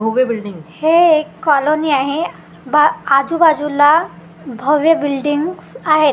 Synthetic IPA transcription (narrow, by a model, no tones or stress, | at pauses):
oʋjəbilɖiŋhekɔloniaɦe | baad͡zubad͡zula | bʱɔʋjəbilɖiŋɡsaɦet̪